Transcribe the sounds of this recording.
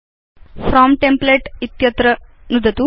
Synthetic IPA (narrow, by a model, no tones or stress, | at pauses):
fʰɾaːmʈempleʈit̪jɐt̪ɾɐnud̪ʱɐt̪u